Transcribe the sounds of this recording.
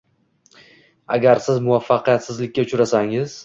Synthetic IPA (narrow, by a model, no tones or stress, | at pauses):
a̰ɡʲaɾsɪzmʊafːaqijat̪sɪzlɪkʲːat͡ʃʊɾasaŋɪz̥